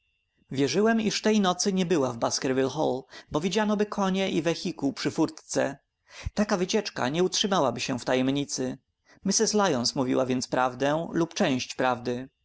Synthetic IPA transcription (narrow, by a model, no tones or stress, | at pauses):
vʲjɛʐɘwɛmiʂft̪ɛjnɔt̪sɘɲɛbɘwavbaskɛɾvʲilxɔ̰lbɔvʲid͡ʑanɔbɘkʰɔɲɛʔivɛxʲikupʂɘfuɾt̪t̪sɛ̰ | t̪akavɘt͡ɕɛt͡ʂka̰ɲɛutʂɘmawabɘɕɛft̪ajɛmɲit̪sɘ | mʲisɘslajɔnsmuvʲḭwavʲjɛnt̪spɾavd̪ɛlupt͡ʂɛ̃w̃ɕt͡ɕpɾavd̪ɘ